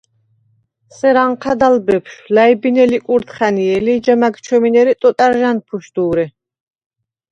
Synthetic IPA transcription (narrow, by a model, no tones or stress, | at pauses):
sɛɾaɴqʰad̪albɛpʰʃlajbinɛlikʼuɾt̪χaniɛlid͡ʒamaɡt͡ʃʰɔminɛɾit̪ʼɔt̪ʼaɾʒanpʰuʃd̪uːɾɛ